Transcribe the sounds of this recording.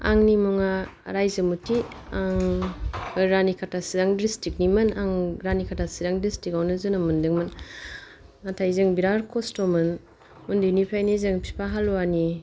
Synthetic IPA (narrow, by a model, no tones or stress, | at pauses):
a̰ŋnimuŋaɾajzɯmutiaŋ | ɾanikʰatʰasidaŋdistik̚nimɯnaŋɡɾanikʰatʰasiɾaŋdistikawnɯzɯnamundɯŋmɯn | atʰajzeŋbiɾaɾkɔstomɯn | mundɯjnipʰajnizeŋpʰi̥pʰaɦaluwani